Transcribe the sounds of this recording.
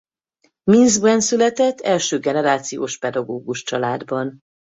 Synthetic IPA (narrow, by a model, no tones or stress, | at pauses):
minzbɛnsylɛt̪ɛt̪ːɛlʃøːɡɛnɛɾaːt̪sijoːʃpɛd̪ɒɡoːɡuʃt͡ʃɒlaːd̪bɒn